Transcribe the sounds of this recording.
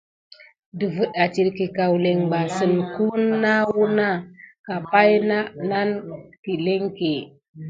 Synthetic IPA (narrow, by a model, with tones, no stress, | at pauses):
di˨və˨ɗa˨t͡ʃi˨ɾki˨ka˨wle˨ŋba˨sɨ˨nku˦nːa˦wu˦na˦ka˨pa˦jna˦na˦nki˨le˦ŋke˨